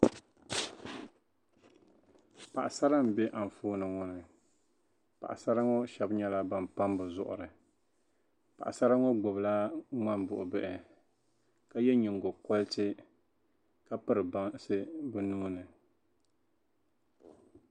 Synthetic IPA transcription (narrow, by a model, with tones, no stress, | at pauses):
pa˨ʔa˨sa˦ɾa˦m˨bɛ˦ʔa˨ɱ˨foː˦nɨ˨ŋɔ˦nɨ˨ | pa̰˨ʔa̰˨sa˦ɾa˦ŋɔ˦ʃɛ˦bɲɛ˦la˦ba˨mpa˦mbɨ˨zʊ̰˦˨ʔʊ̰˨ɾɨ˨ | pa̰˨ʔa˨sa˦ɾa˦ŋɔ˦ɡ͡bʊ˨bla˦ŋ͡ma˦nbʊ˨ʔʊ˨bɛ˦ʔɪ˨ | ka˦jɛ˦ɲɪ˨ŋ˨ɡo˨kɔ˦ltɨ˦ | ka˦pɨ˦ɾɨ˨ba˦ŋsɨ˦bɨ˦nuː˦nɨ˨